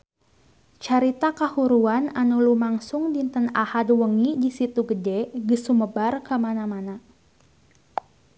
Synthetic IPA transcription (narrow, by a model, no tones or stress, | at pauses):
t͡ʃaɾit̪akahuɾuananulumaŋsʊŋdint̪ənahad̚wəŋidisit̪uɡədɛɡəsuməbarkəmanamana